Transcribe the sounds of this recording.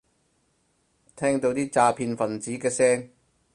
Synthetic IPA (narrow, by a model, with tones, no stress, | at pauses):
t̪ʰɛː˥ŋt̪o˧wt̪iː˥t͡saː˧pʰiː˧nfɐ˨˩nt͡siː˨˥kɛː˧sɛː˥ŋ